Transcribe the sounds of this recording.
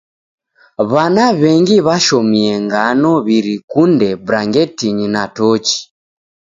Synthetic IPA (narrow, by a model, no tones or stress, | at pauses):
βanaβɛŋɡiβaʃɔmiɛŋɡanɔβiɾikundɛbɾaŋɡɛtiɲinatɔt͡ʃi̥